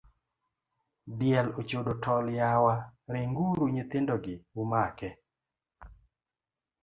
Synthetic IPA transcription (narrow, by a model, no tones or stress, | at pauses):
bjɛlot͡ʃodotʰɔljawaɾeŋɡuɾuɲɪt̪ɪndɔɡɪumakɛ